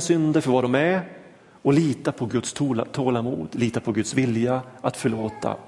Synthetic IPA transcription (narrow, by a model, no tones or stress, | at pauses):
sʏnd̪əɾfœɾvad̪ɔmɛ | ɔliːt̪apʰɔɡɵt̪st̪ʰuːt̪ʰːoːlamṵːd̪liːt̪apʰɔɡɵt̪svɪljaat̪fœɭoːt̪ʰa̰